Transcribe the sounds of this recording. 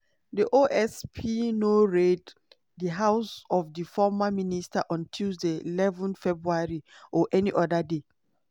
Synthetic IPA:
diʔoʔɛspʰinoɹed | dəɦaʊsɔvdəfɔmaministaʔɔ̃ntʰildəilɛvɔ̃nfɛbɹuaɹiʔɔʔɛniʔɔdəde

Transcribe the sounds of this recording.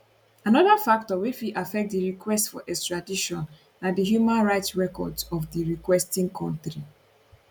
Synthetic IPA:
anɔðafak̚tɔwit͡ʃwiʔafɛk̚tdiɹikwɛstfɔʔɛstɹadiʃɔ̃n | nadiɦjumãnɹaɪtsɹɛkɔ̰dzɔfdiɹikwɛstĩŋkʰɔ̃ntɾi

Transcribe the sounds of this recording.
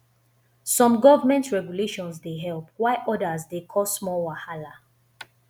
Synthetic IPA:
sɔ̃mɡɔvəmɛ̃ntɹɛɡjuleʃɔ̃nsdeɦɛlp̚waɪʔɔdazdekʰɔsmɔwahala

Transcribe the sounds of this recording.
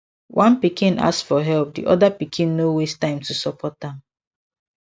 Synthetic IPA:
wʔãnpikĩnʔa̰ssfɔɦɛlp̚dḭʔɔdapikʰĩnːowestãɪ̃mtusɔpʰɔt̚dãm

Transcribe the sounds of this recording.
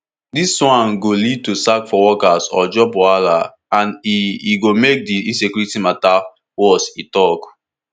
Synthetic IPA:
diswãnɡolid̚tusakfɔwɔkasɔ̰d͡ʒɔbɔala | ãniiɡomek̚diĩnsekjuɹitimata | wɔsitɔk

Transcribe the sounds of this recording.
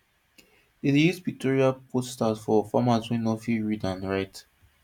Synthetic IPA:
itjuzdvik̚tʰɔɹiapʰosstatfɔfamaswĩnɔfiɹidãnɹaɪt

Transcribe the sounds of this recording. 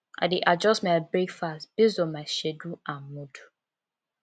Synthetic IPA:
a̰diʔad͡ʒɔstmabekfastb̥izɔmaʃeduãmmudu

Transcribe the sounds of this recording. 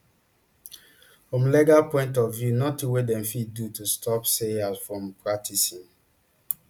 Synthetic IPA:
fɹɔ̃mlɛɡapɔ̃ɪ̃ntɔvjunɔtĩwedɛ̃mfid̚dutustʰɔpseazfɹɔ̃mpɹak̚tʰisĩn

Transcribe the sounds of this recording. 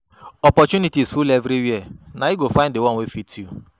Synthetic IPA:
ɔpɔt͡ʃunitisfulɛvɾiwiɛnajiɡofãɪ̃ndewɔ̃nwefitʰju

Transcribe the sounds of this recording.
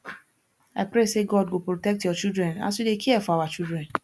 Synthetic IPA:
aɪpɾeseɡɔd̚ɡopɾotɛk̚tjɔt͡ʃidɾɛ̃na̰sudekiɛfɔawat͡ʃidɾɛ̃n

